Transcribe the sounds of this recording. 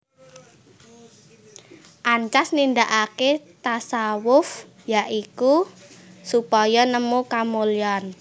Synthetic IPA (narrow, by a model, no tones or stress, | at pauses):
ʔaɲt͡ʃasnind̪aʔaket̪asawʊf | jaʔiku | supɔjɔnəmukamoljɔn